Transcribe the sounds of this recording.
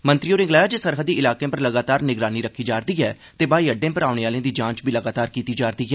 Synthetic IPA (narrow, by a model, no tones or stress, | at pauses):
mənt̪ɾijoːɾẽːŋɡlaːjaːd͡ʒeːsəɾɦəd̪ːiːʔɪlaːkẽːpəɾləɡaːt̪aːɾnɪɡɾaːniːɾəkʰːiːd͡ʒaːɾd̪iːɛː | t̪eːbaːiːəɖːẽːpəɾaːʊɽeːaːlẽːd̪iːd͡ʒãːt͡ʃbiːləɡaːt̪aːɾkiːt̪iːd͡ʒaːɾd̪iːɛː